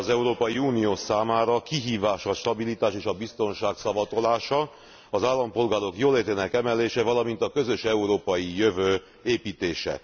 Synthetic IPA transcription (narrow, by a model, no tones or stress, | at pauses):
ɒzɛuɾoːpɒjiuːnioːsaːmaːɾɒkiɦiːvaːʃɒʃt̪ɒbilit̪aːʃeːʃɒbist̪o̞nʃaːksɒvɒt̪o̞laːʃɒ | ɒzaːlːɒmpo̞lɡaːɾo̞kjoːleːt̪eːnɛkɛmɛleːʃɛvɒlɒmint̪ɒkø̞zø̞ʃɛuɾoːpɒjijøvøː | eːpiːt̪eːʃɛ̰